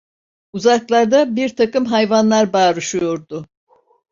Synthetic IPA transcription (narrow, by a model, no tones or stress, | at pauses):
uzaklˠaɾd̪abiɾt̪ʰakɯmɦajvanlˠaɾbaːɾɯʃujo̞ɾd̪ʊ